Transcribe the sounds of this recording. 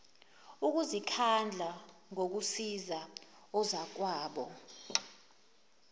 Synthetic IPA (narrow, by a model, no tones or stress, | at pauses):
uk̬uzikʰand͡ɮʱaŋok̬usiza | ɔzak̬waːɓɔ̰